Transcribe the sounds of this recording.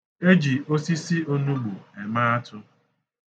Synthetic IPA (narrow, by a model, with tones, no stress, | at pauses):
e˦d͡ʒi˨o˦si˦si˦o˦nu˦lu˨e˨ma˦a˦tʰʊ˦